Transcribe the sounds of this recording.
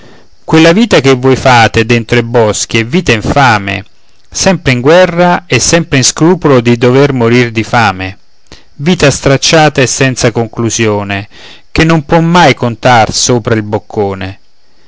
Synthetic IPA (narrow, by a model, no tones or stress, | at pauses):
kwelːaviːt̪ak̟evːɔjfaːt̪ed̪ent̪ɾoibɔsk̟jeɛvːiːt̪aiɱfaːmḛ | sɛmpɾeiŋɡwɛrːaɛsːɛmpɾeinskɾuːpolod̪id̪overmoɾird̪ifaːmḛ | viːt̪ast̪ɾat͡ʃːaːt̪aesːɛnt̪sakoŋkluzjoːne | k̟enːompwɔmːajkont̪arsoːpɾailbokʰːoːne